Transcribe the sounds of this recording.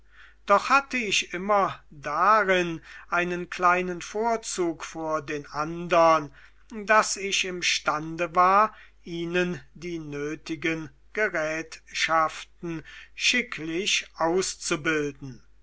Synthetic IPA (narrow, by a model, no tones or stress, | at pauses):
d̥ɔχhatəɪçʔɪmɐdaʁɪnʔaɪnənkl̥aɪnənfoːɐt͡suːkfyːɐdeːnʔandɐn | dasɪçɪmʃtandəvaːɐ | ʔiːnəndiːnøːtɪɡən | ɡ̥əʁɛːtʃaftn̩ʃɪkʰlɪʃʔaʊst͡subɪldn̩